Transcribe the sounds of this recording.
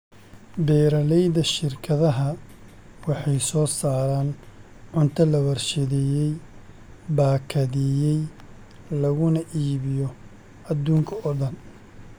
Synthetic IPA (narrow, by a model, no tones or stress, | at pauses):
bɛːɾɐlɛjðɐʃɪrkʰɐðɐɦɐ | wɑħɑjsɔːsaːɾaːn | ʕʊnt̪ʰɐlɐwɐrʃɐðɛːjɛj | baːkʰɐðɪjɛj | lɐɣʊnɐʔiːβɪjɔ | ɐd̪uːŋkʰɐʔɔɖɐn